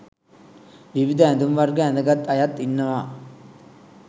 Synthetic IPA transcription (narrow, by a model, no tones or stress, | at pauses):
ʋiʋid̪ʱɐɛnd̪umʋɐrɡɐɛnd̪ɐɡɐt̪ːɐjɐt̪ːinːɐʋaː